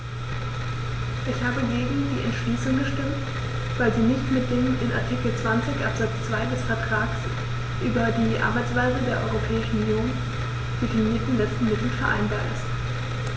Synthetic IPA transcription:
ʔɪçhaːbəɡeːɡŋ̩diːʔɛntʃliːsʊŋɡəʃtɪmt | v̥aɪlziːnɪçtmɪt̚d̥eːmɪnʔa̰ɐtʰikl̩t͡sv̥ant͡sɪçʔa̰pz̥at͡st͡sv̥aɪdɛsfɛɐtʁ̥aːks | ʔyːbɐdiːʔa̰ɐbaɪt͡sv̥aɪzədeːɐʔɔ̰ʏʁopʰɛːɪʃn̩unjoːn | d̥ɪtiniːɐtn̩lɛt͡stn̩mɪtl̩fɛɐʔa̰ɪnbaːɐʔɪ̰st

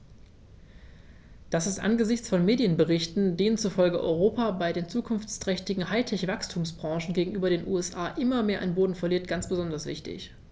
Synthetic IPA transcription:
d̥asɪstʔa̰nɡəzɪçt͡sfɔnmeːdjənbəʁɪçtn̩deːnənt͡sufɔlɡəʔɔ̰ʏʁ̞oːpaːbaɪdeːnt͡suːkʰʊnft͡stʁ̥ɛçtɪɡŋ̩haɪtʰɛçv̥akstʰuːmsb̥ʁɑ̃ŋʃn̩ɡeːɡŋ̩ʔyːbɐɾeːnʔṵːɛsʔaːʔɪmɐmeːɐʔaɪnboːdn̩fɛɐliːɐt̚ɡ̥ant͡sb̥əzɔndɐsv̥ɪ̰çtɪ̰ç

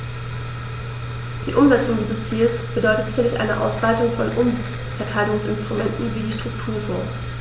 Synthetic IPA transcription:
d̥iːʔʊmzɛt͡sʊŋdiːzəst͡siːlsb̥ədɔʏtətzɪçɐlɪçʔa̰ɪnəʔa̰ʊsv̥aɪtʊŋfɔnʔʊm | fɛɐtʰaɪlʊŋsɪ̰nstʁ̥umɛntn̩viːdiːʃtʁ̥ʊk̚tʰuːɐfɔ̃ːs

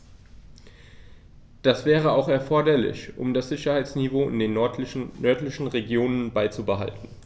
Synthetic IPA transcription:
d̥asv̥ɛːʁ̞əaʊxɛɐfɔɐdɐlɪ̰çʔʊ̰mdasz̥ɪçɐhaɪt͡snivoːɪ̰ndeːnnœɐtlɪçn̩ʁeɡjoːnənbaɪt͡subəɦa̰ltn̩

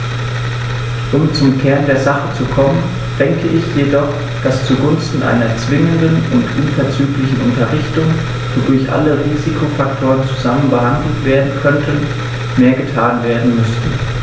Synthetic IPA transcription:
ʔʊmt͡sʊmkʰɛɐndeːɐzaχət͡sukʰɔmən | d̥ɛŋkʰəʔɪçjedɔχ | d̥ast͡suɡʊnstn̩ʔa̰ɪnɐt͡sv̥ɪŋəndənʊntʔʊnfɐt͡syːklɪçn̩ʔʊntɐʁɪçtʊŋ | v̥idʊɐçʔa̰ləʁiːzikʰofaktʰoːʁənt͡suzamənbəhandl̩tv̥eːɐdn̩kʰœntʰən | meːɐɡətʰaːnveːɐdn̩mʏst

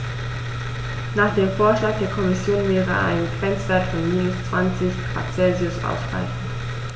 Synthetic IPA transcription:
naːχd̥eːmfoːɐʃlaːk̚d̥eːɐkʰɔmɪsjoːnvɛːʁə̰ʔa̰ɪnənɡʁ̥ɛnt͡sv̥ɛːɐtfɔnmiːnʊst͡sv̥ant͡sɪç̥ | a̰t͡sɛlziʊsʔa̰ʊsɡ̥ʁ̥a̰ɪfn̩

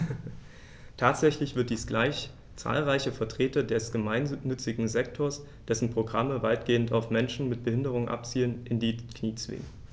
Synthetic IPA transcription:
tʰaːtz̥ɛçlɪçv̥ɪɐt̚d̥iːsɡ̥laɪç | t͡sa̰ːlʁaɪçəfɛɐtʁ̥eːtɐdɛsɡ̥əmaɪnːʏt͡sɪɡŋ̩zɛk̚tʰoːɐs | d̥ɛsn̩pʁ̥oɡʁaməvaɪt̚ɡ̥eːəntaʊfmɛnʃn̩mɪt̚b̥əhɪndəʁ̞ʊŋʔa̰pt͡siːlənʔɪndiːkʰniːt͡sv̥ɪ̰ŋən

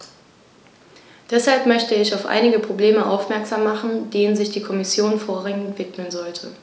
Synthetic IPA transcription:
d̥ɛshalpmœçtəɪçaʊfʔa̰ɪnɪɡəpʁ̥obleːməʔa̰ʊfmɛɐkz̥aːmːaχn̩deːnənzɪçd̥iːkʰɔmɪsjoːnfoːɐʁɛŋəntv̥ɪtməlnzɔltʰə

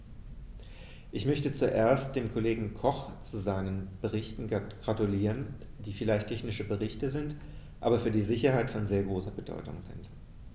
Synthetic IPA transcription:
ʔɪçmœçtət͡suʔeːɐst̚d̥eːmkʰoleːɡŋ̩kʰɔχt͡suzaɪnənb̥əʁ̞ɪçtn̩ɡ̥ʁatuliːʁ̞ənd̥iːfɪlaɪçtʰɛçnɪʃəbəʁ̞ɪçtəzɪnt | ʔa̰ːbɐfyːɐdiːzɪçɐɦaɪtfɔnzeːɐɡʁoːsɐbədɔ̰ʏtʊ̰ŋzɪ̰nt

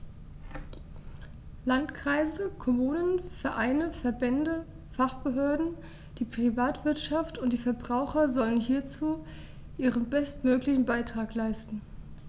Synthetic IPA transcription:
lantkʁ̥aɪzəkʰɔmuːnənfɛɐʔaɪnəfɛɐbɛndə | faχb̥əɦøːɐdn̩ | d̥iːpʁ̥ivaːtv̥ɪɐtʃaftʊntd̥iːfɛɐbʁaʊxɐzɔlənɦiːɐt͡suː | ʔiːʁənbɛstmøːklɪçn̩baɪtʁ̥aːklaɪstn̩

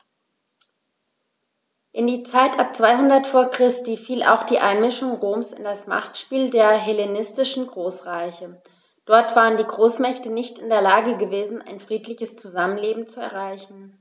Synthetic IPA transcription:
ʔɪndiːt͡saɪtʔap̚t͡sv̥aɪhʊndɐtfoːɐkʁ̥ɪstiːfiːlʔa̰ʊxd̥iːʔa̰ɪnmɪʃʊŋʁoːmsɪ̰ndasma̰χtʃpiːldeːɐɦɛlenɪstɪʃn̩ɡʁoːsʁaɪçə | d̥ɔɐtv̥aːʁəndiːɡʁoːsmɛçtənɪçtɪndeːɐlaːɡəɡəveːzn̩a̰ɪnfʁ̥iːtlɪçəst͡suzamənleːbm̩t͡suɛ̰ɐʁ̞aɪçn̩

